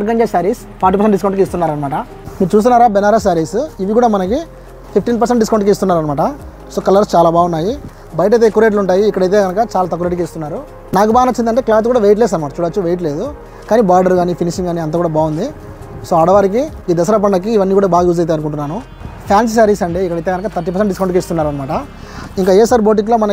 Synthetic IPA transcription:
ɐɾɡɐɲd͡ʒesaɾiːs | pʰaːɾʈ̬ːipɐɾseʈɖis̬kɐwɳʈkist̪unːaːɾɐnɐmaːʈɐ | miːɾut͡ʃuːst̪unːaːɾaːbɛnaːɾɐs̬aɾiːsiʋikuːɽaːmɐnɐki | pʰip̚ʰʈiːnp̬ɐɾs̬eɳʈɖiskɐwɳʈkiis̬t̪unːaːɾɐnɐmaːʈɐ | so̞ːkɐlɐɾst͡ʃaːlaːbaːɡunːaːji | bɐjɐʈ̬ɐjt̪eːkːuɾeːʈ̬luɳʈaːjiːkːɐɽɐjt̪eːɡɐnɐkɐt͡ʃaːlaːt̪ɐkuɾeʈkiːst̪unːaːɾu | naːkubaːɡɐnɐt͡ʃːind̪ɐɳʈeːklaːt̪kuːɽaːʋeːjʈ̬leːs̬ɐnɐmaːʈɐt͡ʃuːɽat͡ʃːuʋeːjʈle̞ːd̪u | kaːniːbaːɾɖɐɾɡaːnipʰiniʃiŋɡaːniɐnt̪aːkuːɽaːbaːund̪i | soːɐɽɐʋaːɾik̬i | iːd̪ɐsɐɾɐp̬ɐɳɖɐk̬iːʋɐnːiːkuːɽaːbaːɡɐjuːzɐjt̪̬eɐnuk̬uɳʈunːaːnu | pʰjaːns̬sɐɾisɐɳɖeikːɐɽɐjt̪eɡɐnɐkat̪ʰɐɾʈ̬ːipɐɾs̬eɳʈɖiskɐwɳɖkeːst̪unːaːɾɐnɐmaːʈɐ | iŋkaːesaːɾboːʈ̬ik̬loːmɐnɐ

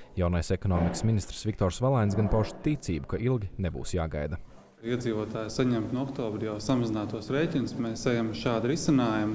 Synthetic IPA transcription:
jawnajsekɔnɔːmiksminist̪ɾ̥svʲikt̪ɔɾsvalˠajnsɡanpɔʃt̪it̪siːbukaʔilˠɡʲinebṵːsjaːɡa̰jd̪ɐ | iɛd̪ziːvoɔt̪aːjsaɲɛmt̪nuɔkt̪oːbɾʲijawsamazɪnaːt̪uɔsɾeːjtʲinʊsmeːsɛjamʃaːd̪ɾisinaːjum

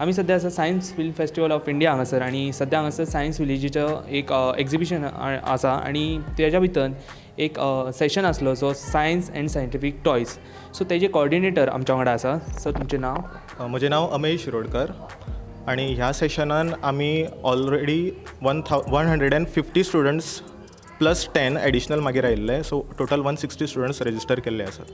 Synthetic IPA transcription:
am̤iːs̬əd̪ʱjas̬asajənsfilmfesʈiʋəlɔfiɳɖijaãŋɡəsəɾaɽ̃isəd̪ʱjaŋɡəsəɾsajənsʋilid͡ʑit͡ɕəekeksibiɕən̰ə̰saa̰ɽ̃it̪jat͡ɕjabʱit̪ən | ekseɕənəslod͡zɔsajənsɛ̰̃ɳɖsajəɳʈifik̚ʈɔjs | sot̪jad͡ʑekoɔɾɽineʈəɾa̰mt͡ɕaʋəŋɽaəsasəɾt̪umt͡ɕenaʋ | m̤əd͡ʑenaʋəmejɕiɾoɽkəɾ | aɽ̃iɦjaseɕənanamiːɔlɾeɽiː | ʋənt̪ʰaʋənɦəɳɖɾeɽɛ̃ɳfifʈiːsʈuɽəɳʈs | pləsʈɛneɽiɕənəlmaɡʱiɾaɦilːəsoʈoʈəlʋənsiksʈiːsʈuɽəɳʈsɾed͡ʑisʈəɾkelːeəsa̰t̪

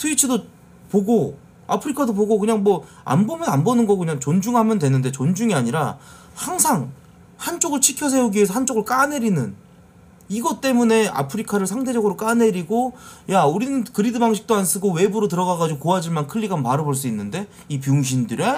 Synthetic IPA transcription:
tʰɯit͡ɕʰɯdo | poɡo | apʰɯɾikʰadoboɡokɯɲaŋmwʌ | a̰mbomjʌnanbʌnɯnɡʌkɯɲaŋt͡ɕond͡ʑuŋɦamjʌndwe̞nɯnde̞t͡ɕond͡ʑuŋiaɲiɾa | haŋsʰaŋ | hant͡ɕ͈oɡɯɭt͡ɕʰikʰjʌs̬ʰe̞uɡiesʰʌhant͡ɕ͈oɡɯɭk͈ane̞ɾinɯn | iɡʌt͈e̞mune̞a̰pʰɯɾikʰaɾɯɭsʰaŋde̞d͡ʑʌɡɯɾok͈ane̞ɾiɡojauɾinɯnkɯɾidɯbaŋɕʰi̥k̚t͈oans͈ɯɡowe̞buɾotɯɾʌɣaɡad͡ʑiɡokoad͡ʑiɭmankʰɯʎːiɡanpaɾɯboɭs͈uinːɯnde̞ | ipjuŋɕ̬ʰindɯɾe

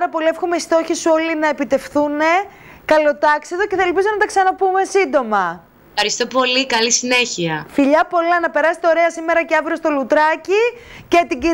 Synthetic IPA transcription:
ɾɐpo̞liefxomeist̪o̞çisuo̞linɐe̞pit̪e̞fθune̞ | kɐlo̞t̪ɐksiðo̞ceθɐelpizo̞nɐt̪ɐksɐnɐpume̞sind̪o̞mɐ | ɐɾist̪o̞po̞likɐlisine̞çiɐfiʎɐpo̞lɐnɐpe̞ɾɐsi̥t̪eoɾe̞ɐsime̞ɾɐceɐvɾiost̪o̞lut̪ɾɐcice̞t̪iɟi

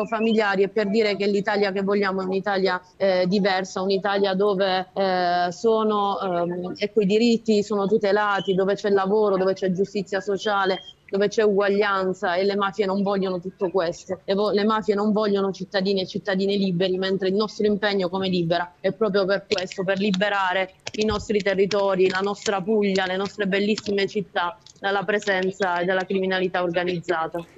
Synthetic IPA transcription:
familjaːɾiɛpːerd̪iːɾekenlit̪aːljakevːoʎːaːmoɛunit̪aːlja | ɛd̪ivɛrsaunit̪aːljad̪oːve | soːno | ɛkːoid̪iɾit̪ːisoːnot̪ut̪elaːt̪id̪oːvet͡ʃɛlːavoːɾod̪oːvet͡ʃɛd͡ʒust̪it̪sːjasot͡ʃaːled̪oːvet͡ʃɛuɡwaʎːant̪saelːemaːfjenoɱvɔʎːonot̪ut̪ːokwest̪oevɔlemaːfjenoɱvɔʎːonot͡ʃit̪ːad̪iːniet͡ʃit̪ːad̪iːniliːbeɾiment̪ɾeilnɔst̪ɾoimpɛɲːokomeliːbeɾaɛpːɾɔːp̬ɾjoperkwest̪operlibeɾaːɾeinɔst̪ɾit̪erːit̪ɔːɾilanɔst̪ɾapuʎːalenɔst̪ɾebelːisːimet͡ʃit̪ːad̪alːapɾezɛnt̪saed̪ːalːakɾiminalit̪aorɡanid̪zːaːt̪a

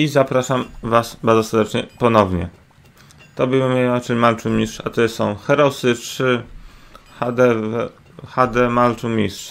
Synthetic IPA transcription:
izapɾaʂamvasbaɾd̪zɔsɛɾd̪ɛt͡ʂɲɛpɔnɔvɲɛ̰ | t̪ɔbɘmmɛnaʈ͡ʂɛɲmaltumʲistʂat̪ɔjɛst̪sɔ̃w̃xɛɾɔsɘtʂɘ | xad̪ɛɛ | xad̪ɛmaltumʲist̪ʂ

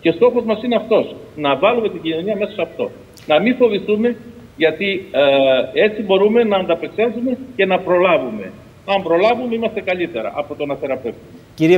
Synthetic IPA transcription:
ce̞st̪o̞xo̞zmɐsineɐft̪o̞snɐvɐlume̞t̪iɟino̞ɲiɐme̞sosɐft̪o̞̰ | nɐmiɱfo̞visθume̞ | ʝɐt̪i | e̞t͡sibo̞ɾume̞nɐːnd̪ɐpeksɐsume̞ce̞nɐpɾo̞lɐvume̞̰ | ɐmbɾo̞lɐvumeimɐst̪e̞kɐʎit̪e̞ɾɐ̰ʔɐpo̞t̪onɐθe̞ɾɐpe̞ft̪umeciɾ

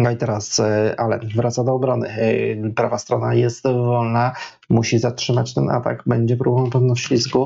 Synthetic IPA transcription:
nɔit̪ɛɾasʔalɛ̰vɾat̪sad̪ɔːbɾɔnɘ̰pɾavast̪ɾɔnajɛst̪vɔlna | muɕizatʂɘmat͡ɕt̪ɛnʔa̰t̪a̰ɡbɛɲd͡ʑɛpɾubɔvãnpɛvnɔfɕfʲisku

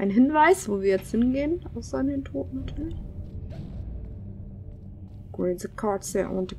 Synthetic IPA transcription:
ʔaɪnɦɪnvaɪsv̥oːviːɐjɛt͡sthɪnɡeːənʔaʊsɐdeːntʰoːtn̩atʰyɐlɪç | ɡ̥ɹenzəkʰɑtsɛʔɔ̰ndə

